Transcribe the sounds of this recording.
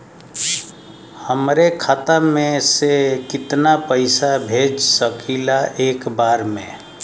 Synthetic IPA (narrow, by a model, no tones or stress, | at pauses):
həmɾekʰat̪amẽsekɪt̪napəɪsabʱed͡ʒsəkʰilaʔeːkbaːɾmḛ̃